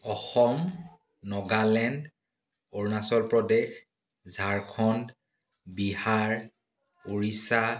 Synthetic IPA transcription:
ɔxɔm | nɔɡalɛnd | ɔɹnasɔlpɹɔdɛx | zʱaɹkʰɔn | bihaɹ | oɹisa

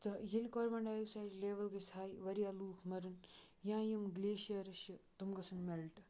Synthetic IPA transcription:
t̪ɐjilʲkɔɾʋɐɳɖaːjisaːɾleːʋɐlɡɐsʰaːjʋɐɾijaːluːkʰmɐɾɨn | jãːjimɡleːʃijaɾɐʃjɐt̪umɡɐsʰɐnmelʈɐ̥

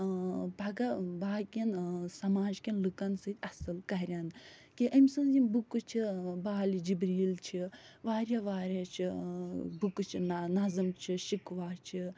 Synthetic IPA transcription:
bʱɐɡɐbaːkʲɐnsɐmaːd͡ʒkʲinlɨkɐnsɨt̪ʲɐsɨlkɐɦɾʲankiʔɐmsɨnzinbukɨt͡ʃʰibaːlid͡ʒibɾiːlt͡ʃʰiʋaːɾjaʋaːɾʲaːt͡ʃʰi | bukɨt͡ʃʰinɐzɨmt͡ʃʰiʃikʋaːɾt͡ʃʰi

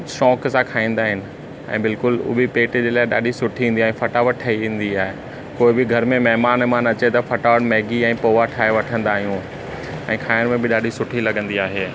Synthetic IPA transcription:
ʃɔ̃ːksãkʰaːĩːn̆d̪aːɦɪnɪ̆ | ɛ̰̃ːbɪlkʊlʊ̰bipeːʈd͡ʑeːlaːɪɗa̰ːɗʱisʊʈʰiʋ̃n̆d̪iaːɦɪ̃fɐʈaʋɐʈ̚ʰɐiʋẽːn̆d̪iaːɦe | koːɪbɪɡʱɐɾmẽmɛɦmaːnmãːnɐt͡ɕet̪ɐfɐʈaʋəʈmɛːɡiɛ̃ːpoːʋaʈʰaːeʋɐʈʰə̃nd̪aːɦijũ | ɛ̃ːkʰaːɪənmẽbɪɗaːɗʱisʊʈʰilɐɡə̃nd̪iaːɦeː

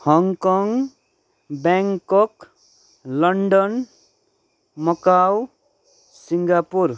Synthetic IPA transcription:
hʌŋkɔŋ | baŋkɔk | lʌɳɖʌn | mʌkaw | siŋɡapur

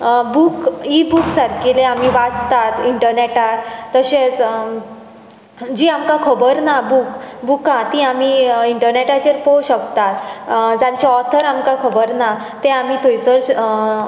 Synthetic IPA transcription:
bukibuksaɾkileam̤iʋat͡st̪at̪iɳʈəɾneʈat̪əɕẽt͡s | d͡ʑiːamkakʰəbəɾnabukbukãt̪ĩamiiɳʈəɾneʈat͡ɕeɾpoɕəkt̪at̪d͡zãɲt͡ɕaɔt̪ʰəɾamkakʰəbəɾna | t̪ẽamit̪ʰojsəɾd͡ʑ

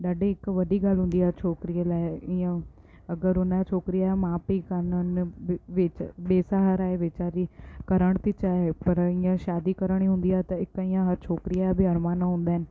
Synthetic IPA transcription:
ɗaːɖeːɪkʋəɖiːɡəlɦʊ̃nd̪iːaːt͡ʃʰoːkɾijəlaːɪɪjãː | əɡəɾʊnat͡ʃʰoːkɾɪjamãːpiːkəɾnənʋɪt͡ʃɓeːsaːɦəɾaːeʋeːt͡ʃaːɾiːkəɾəɳ̃t̪it͡ʃaːepəɾɪːjãːʃaːd̪iːkəɾəɽ̃iːɦʊ̃nd̪iːaːt̪ãɪkiːãːɦəɾt͡ʃʰoːkɾɪjabʱiːəɾmaːnãɦʊ̃nd̪aːɦɪnɪ

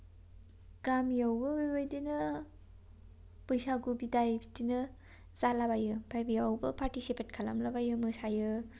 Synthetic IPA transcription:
ɡ̥amjawbɯbabajdinɯ | pɯjsaɡubidajbidinɯ | zalabajɯbʰajbijawbɐpaɾtisipʰet̚kʰala̰mlabajɯmɯsajɯ

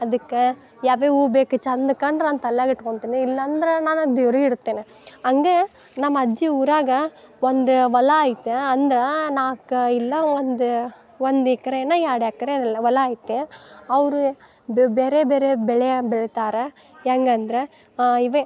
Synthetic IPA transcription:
ɐðɯkːɯ | jaːʋeuːbeːkːɯt͡ʃɐnd̪ɯkːaːnɾaːnt̪ɐlːaːkɪʈːɯkɔɳt̪ːiːnːɯɪlːaːnd̪ɪɾɐnãːnɐd̪ɔɾɐɪɽɯt̪ːeːnɛ̃ | ɐŋɡeː | nɐmːɐːd͡ʒiuɾaːɣɐ | ɔnd̪ɯʋɐlaːjt̪ːẽɐnd̪ɪɾɐnãːkːɯɪlːaːʋɐnd̪ɯ | ʋɐnd̪ikːɐɾẽnːaːjaːɽaːkːɐɾẽːʋɐlɐaːjt̪ːẽːɐʋɐɾɯ | bɛɾebɛɾebɛɭɐjabɛɭɐt̪aːɾɐ | ɛŋɡɐɐnd̪ɪɾɐ | ɪʋɐ̃

